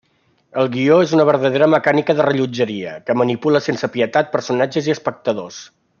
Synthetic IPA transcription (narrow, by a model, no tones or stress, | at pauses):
əlˠɣioezunəβəɾðəðeɾəməkanikəðərəʎud͡ʒəɾiəkəmənipuləsensəpiət̪at̪̚pəɾsunad͡ʒəziəspək̚t̪əðos